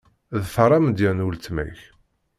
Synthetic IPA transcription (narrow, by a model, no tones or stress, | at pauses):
ðfəɾˤɑmd̪jænult̪mæ̰ç